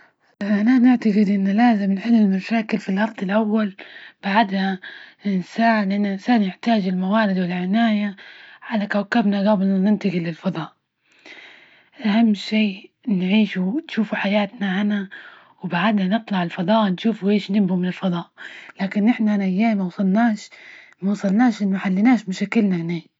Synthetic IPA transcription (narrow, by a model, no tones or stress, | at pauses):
ʔʔananɪʕt̪aɡɪd̪ʔɪnːalaːzɪmnħiːlɪlmaʃaːkɪlfilʔɑɾˤd̪ˤɪlʔawːalb̥aʕad̪hansaːʕlɪʔanːaʔɪnsaːnjɪħt̪aːd͡ʒɪlmawaːɾɪd̪wɪlʕɪnaːjaʕalakawkabnaɣabɪlanɪnt̪aɡɪlɪlfɑd̪ˤɑːʔ | ʔahamːʃiː | nʕiːʃunʃuːfuħajaːt̪naʕana | wbaʕad̪nanɨt̪ˤlɑʕɪlfɑd̪ˤɑːʔnʃuːfuʔeːʃnɪbːumɪnɪlfɑd̪ˤɑːʔlaːkɪnʔɪħnaʔanaʔajːaːmawsˤɑlnaːʃ | mawsˤɑlnaːʃʔɪnːħalːɪnaːʃmaʃaːkɪlnahneː